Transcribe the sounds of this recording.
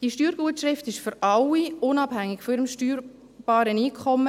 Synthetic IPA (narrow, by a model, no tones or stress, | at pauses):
d̥iʃtyːɾɡuətʃrɪftɪʃføɾɑlːiʊnɑb̥hæŋːɪɡfɔɪɾəmʃtyːɾ | b̥ɑːɾəniːkʰχɔmːə